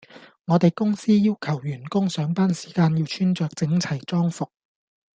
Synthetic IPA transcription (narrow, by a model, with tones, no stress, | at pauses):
ŋɔː˨˧t̪e˨jkʊ˥ŋsiː˥jiː˥wkʰɐ˨˩wjyː˨˩nkʊ˥ŋsœː˨˥ŋpaː˥nsi̥ː˨˩kaː˧njiː˧wt͡ʃʰyː˥nt͡ʃœː˨k̚t͡sɪ˨˥ŋt͡sʰɐ˨˩jt͡sɔː˥ŋfʊ˨k̚